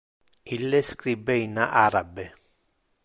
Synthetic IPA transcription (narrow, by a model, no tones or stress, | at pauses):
ilːeskɾibeinaʔaɾabe